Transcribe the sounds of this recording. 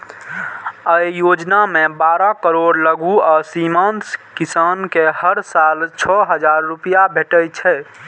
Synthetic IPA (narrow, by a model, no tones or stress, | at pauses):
əjjod͡ʒnamebaɾakəɾoɽləɡuasimanskisankehəɾsalt͡ʃʰɔɦəd͡ʒaɾːupijabʱeʈəjt͡ʃʰɛ